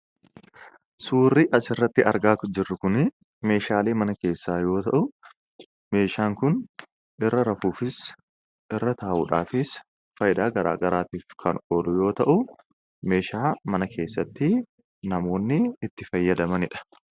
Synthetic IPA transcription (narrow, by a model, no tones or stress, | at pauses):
suːrːɪʔɐsɪrːɐt̪ːɪʔɐɾɡaːkd͡ʒɪrːʊkʊnɪ | me̞ːʃaːle̞ːmɐnɐke̞ːsːaːjo̞ːt̪ɐʔʊ | me̞ːʃaːŋkʊn | ʔɪrːɐɾɐfuːfɪs | ʔɪrːɐt̪aːʔʊ̰ᶑaːfɪs | fɐjɪd̪aːɡɐɾa̰ːɡɐɾaːt̪iːfkʰɐ̰noːlʊjo̞ːt̪ɐʔʊ | me̞ːʃaːmɐnɐkʰe̞ːsːɐt̪ːɪ | nɐmo̞ːnːɪːt̪ːɪfɐjːɐd̪ɐmɐnɪᶑɐ̥